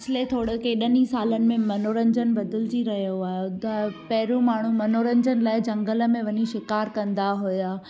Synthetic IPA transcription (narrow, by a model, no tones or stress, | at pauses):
t͡ɕʰlet̪ʰoːɽkeɗənĩsaːlənɪ̆mẽmɐnoːɾə̃ɲd͡ʑənɪ̆bɐd̪ɪlɪd͡ʑiɾɐɦijoaːɦet̪ɐpɐɦɪɾõmaːɳ̤umɐnoːɾə̃ɲd͡ʑənɪ̆laːɪd͡ʑɐ̃ŋɡələ̆mẽʋɐɲiʃɪkaːɾkɐ̃nd̪aɦʊjaː